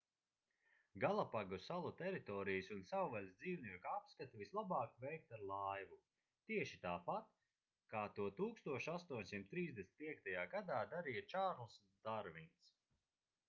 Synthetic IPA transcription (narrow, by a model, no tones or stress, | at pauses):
ɡalˠapaɡusalˠut̪ɛɾit̪ɔːɾijɨsunsawvalʲsd̪ziːwniɛkapskat̪ivislˠabɑːkvɛjk̚t̪aɾlˠajvu | t̪iɛʃi̥t̪aːpat̪ | kaːt̪uɔt̪uːkst̪uɔʃast̪uɔɲʲsimt̪t̪ːɾiːzd̪esn̚ʲpiɛk̚t̪ajaːɡad̪aːd̪aɾijat͡ʃaːɾlˠs | d̪̥aɾvins